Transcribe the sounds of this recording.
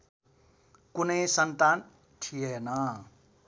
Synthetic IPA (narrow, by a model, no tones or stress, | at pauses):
kunʌjsʌnt̪an | ʈʰijenʌ